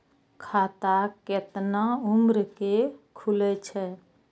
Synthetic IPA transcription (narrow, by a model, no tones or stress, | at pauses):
kʰat̪aket̪naumɾkekʰulɛt͡ʃʰɛ